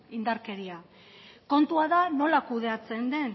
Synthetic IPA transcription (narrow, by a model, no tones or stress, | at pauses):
ind̪aɾke̞ɾia | ko̞nt̪uaðano̞lakuð̞e̞at͡se̞nd̪e̞n